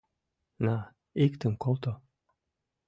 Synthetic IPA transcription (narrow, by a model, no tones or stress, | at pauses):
na | ikt̪ɘŋkolˠt̪o